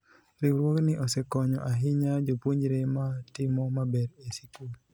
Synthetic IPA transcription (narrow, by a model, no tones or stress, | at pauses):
ɾiwɾwoknɪʔɔsekɔɲɔ̰ʔaɦɪɲad͡ʒopwuɲd͡ʒɾematɪmɔmabɛɾesikul